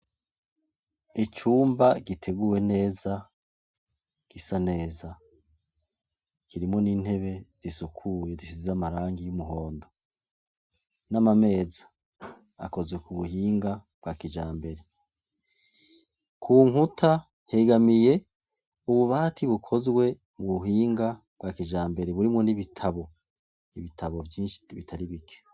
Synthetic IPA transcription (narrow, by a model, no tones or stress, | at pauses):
it͡ʃuːmbaɡitʰe̞ɡuwe̞ne̞ːza | ɡ̥isane̞ːza | kiɾimŋo̞niːn̥he̞βe̞z̥isukʰuje̞zisizamaɾaːŋɡijumuɦo̞ːndo̞ | namame̞ːza̰ː | ko̞zɡwe̞kuβuhiːŋɡab̥ɡakid͡ʒaːmbe̞ɾe̞ | kʰuːŋutʰa | heɡamije̞ | uβuβaːtʰiβukʰo̞zɡwe̞ | muβuɦiːŋɡa | b̥ɡwakid͡ʒaːmbe̞ɾeβuɾimŋo̞niβitʰaβo̞ | iβitʰaβo̞vjiːnʃi̥βitʰaɾiβikʰe̥